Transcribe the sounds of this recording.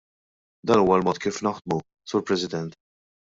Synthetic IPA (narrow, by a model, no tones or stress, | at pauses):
d̪ɐːnuːwɐlmɔːt̪̚kiːfnɐħd̪̚mu | suːɾpɾɛsɪd̪ɛnt̪